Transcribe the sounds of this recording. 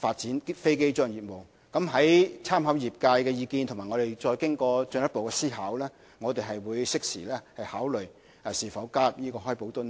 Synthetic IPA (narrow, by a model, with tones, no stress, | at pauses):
faː˧t̚t͡siː˨˥nfe˥jke˥jt͡ʃœː˥ŋjiː˨t̚mo˨w | kɐ˨˥mɦɐ˨˥jt͡sʰaː˥mhɐ˨˥wjiː˨p̚kaː˧jkɛː˧jiː˨˧kiː˧nt̪ʰʊ˨˩ŋmaː˨˩ŋɔ˨˧t̪e˨˩jt͡ʃɔː˧jkɪ˥ŋkɔː˧t͡ʃɵ˧njɐ˥t̚po˨wkɛː˧siː˥ɦaː˨˥wlɛː˥ | ŋɔː˨˧t̪e˨jɦɐ˨jwuː˨˧jsɪ˥k̚sḭː˨˩lɛː˥hɐ˨jhaː˨˥wlɵ˨ɥ | siː˨˩fɐ˨˥wkaː˥p̚jiː˥kɔː˧ɦɔː˥jpo˨˥wt̪ʊ˥n